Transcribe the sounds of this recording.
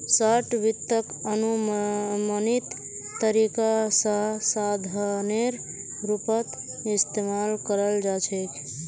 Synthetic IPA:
səʈʋit̪ːəkənu | mənit̪ː | əɾikasəɦsad̪ʱneɾ | ɾupət̪ | ist̪emalkəɾəld͡ʒat͡ʃʰɛkʰ

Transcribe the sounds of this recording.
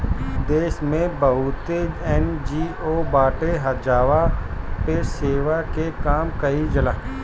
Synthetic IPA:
d̪eːʃmẽbɐɦʊt̪eɛnd͡ʒiːobaːʈeɦɐd͡ʒaːʋapeseːʋakekaːmkɐid͡ʒɐlaː

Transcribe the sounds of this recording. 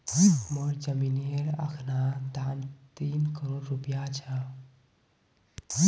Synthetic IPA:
məɾd͡ʒəminieɾə̰kʰnad̪amt̪inkəɾoɾɾupijat͡ʃʰə

